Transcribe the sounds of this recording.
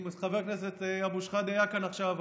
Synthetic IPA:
musχaveʁkneset̪eabuʃχad̪ajakanaχʃav

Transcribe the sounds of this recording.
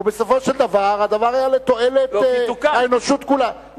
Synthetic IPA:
besofo̞ʃeld̪avaʁad̪avaʁajalet̪o̞elet̪kaenoʃut̪kula

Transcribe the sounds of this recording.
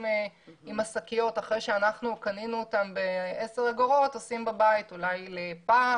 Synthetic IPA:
imasakijo̞taχʁejʃeanaχnukaninuːtambeeseʁeɡoʁo̞tosimbabaitulajlepaː

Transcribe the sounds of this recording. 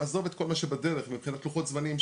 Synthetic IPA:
azovet̪ko̞lmaʃebadeʁeχmipχinat̪luχot̪zmanim

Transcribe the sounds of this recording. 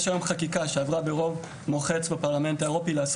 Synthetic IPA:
ʃajomχakikaʃeavʁabeʁo̞v | moχe̞t͡sbapaʁlame̞ntaeʁo̞pileas

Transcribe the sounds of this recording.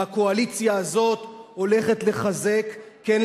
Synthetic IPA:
ako̞alit͡sjaːzo̞t̪o̞le̞χe̞t̪le̞χaze̞kːen

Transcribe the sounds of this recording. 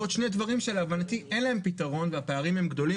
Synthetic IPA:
od̪ʃnedvaʁimʃeleavanat̪iʔenlae̞mpitaʁo̞nveapeaʁimhe̞mɡd̪o̞li

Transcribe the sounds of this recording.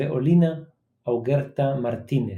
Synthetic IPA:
eʔolina | awɣeɾt̪amaɾt̪ine

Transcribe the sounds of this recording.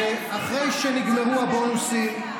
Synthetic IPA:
aχʁejʃeniɡmeʁuabonusim

